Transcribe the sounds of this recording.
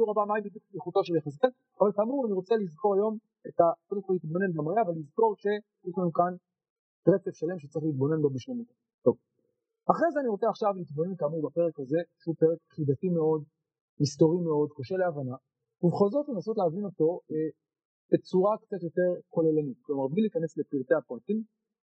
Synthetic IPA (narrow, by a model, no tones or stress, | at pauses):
ʃuʁabamaibid̪jukliχuto̞ʃeljaχas̬ken | avalkaːmuʁaniʁo̞t͡selizko̞ʁajo̞m | etakodemko̞lit̪bo̞ne̞nɡamʁeavalːizko̞ʁʃe̞ | jɛʃlanukan | tʁet͡sefʃale̞mʃe̥t͡saʁiχlit̪̚bo̞ne̞nbobiʃlamut | t̪o̞v | aχʁezeaniʁot͡seaχʃavlit̪bo̞ne̞nkaːmuʁbape̞ʁekaze̞ʃeupeʁekχidatime̞o̞d̪ | misto̞ʁime̞o̞d̪kaʃe̞leavana | ubeχozo̞tle̞naso̞tleavino̞to̞e | b̥et͡suʁakt͡sat̪jo̞te̞ʁko̞lelanit̚klo̞maʁbliliːkane̞sle̞piʁt̪eapʁatim